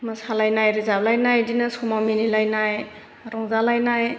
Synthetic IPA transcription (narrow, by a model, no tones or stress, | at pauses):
masalajnajɾizablajnajdinasɔmaminilajnaj | ɾɔŋzalajnaj